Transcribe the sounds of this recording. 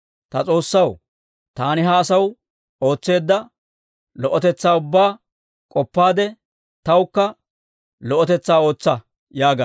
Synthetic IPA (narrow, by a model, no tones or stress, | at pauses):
t̪ɐt͡sʼo̞ːsːɐw | t̪aːnɪɦɐːsɐw | o̞ːt͡sːe̞ːd̪ːɐ | lɔʔɔt̪ɛt͡sːaːʊbːaː | kʼɔpːaːd̪ɛ | t̪ɐwkːɐ | lɔʔɔt̪ɛt͡sːaːo̞ːt͡sːɐ | jaːɡa